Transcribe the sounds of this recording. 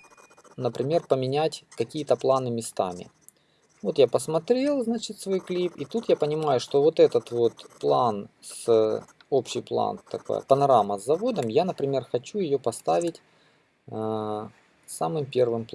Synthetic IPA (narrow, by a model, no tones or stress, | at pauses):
nəpɾʲɪmʲe̞rpəmʲɪnʲætʲkɐkʲijət̪əplˠanɨmʲɪst̪a̰mʲɪ̰ | vo̞t̪japəsmɐt̪ɾʲe̞lˠznat͡ɕɪt̪svojklʲipit̪ut̪japənʲɪmajʊʂt̪o̞vo̞t̪ɛt̪ət̪vo̞t̪plˠans | o̞pɕːɪjplˠa̰nt̪ɐ̰ko̰j̰pənɐɾaməzːɐvo̞d̪əmjanəpɾʲɪmʲe̞rxɐt͡ɕujɪjopɐst̪avʲɪtʲ | samɨmpʲe̞rvɨmp̪ˠ